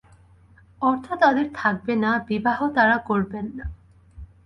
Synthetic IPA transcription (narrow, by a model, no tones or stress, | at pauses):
ɔɾt̪ʰat̪ad̪eɾt̪ʰak̚benabibaɦot̪aɾakoɾbenːa